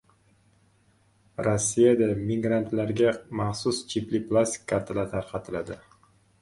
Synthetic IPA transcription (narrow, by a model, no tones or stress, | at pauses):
ɾosːijad̪amiɡɾant̪laɾɡʲamaχsʊst͡ʃʰiplɪplˠast̪i̥kʲʰːaɾt̪ʰalaɾt̪ʰaɾqʰɑt̪ʰɪlad̪ɪ